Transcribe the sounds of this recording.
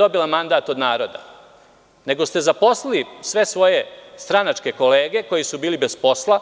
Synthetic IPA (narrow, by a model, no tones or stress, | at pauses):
o̞bilˠamand̪aːt̪o̞d̪naːɾo̞d̪a | ne̞ɡost̪e̞zapo̞slˠilisʋe̞sʋo̞jest̪ɾanat͡ʂke̞ko̞le̞ːɡe̞ko̞jisubiːlibe̞zpo̞slˠa